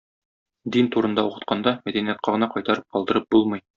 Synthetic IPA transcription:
d̪int̪uɾɤ̆nd̪ɑuqɤ̆t̪̚qɑnd̪ɑmæd̪ænijæt̪̚qɑʁɤ̆nɑqɒjt̪ɑɾɤp̚qɒlˠd̪ɤ̆ɾɤp̚bulˠmɤj

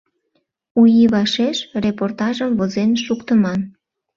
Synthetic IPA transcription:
ujiβɑʃeʃreport̪ɑʒəmvozenʃukt̪əmɑn

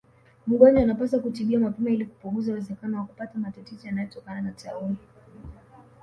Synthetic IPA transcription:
m̩ɠɔɲaanapasakutiɓiamapɛmailiku̥puɡuzawɛzɛkanɔwakupatamatatɛzɔjanajɔtɔkananatauli

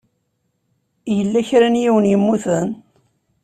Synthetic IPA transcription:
jəlːæçɾanjiwənjəmːuθən

